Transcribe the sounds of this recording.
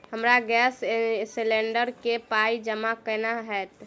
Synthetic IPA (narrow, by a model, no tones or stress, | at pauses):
ɦəmɾaɡɛssilẽɳɖəɾkepaid͡ʒəmakənaɦɛt̪